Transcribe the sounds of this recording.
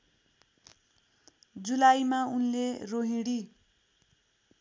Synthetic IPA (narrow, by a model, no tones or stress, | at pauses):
d͡zulajmaunleroɦĩɽi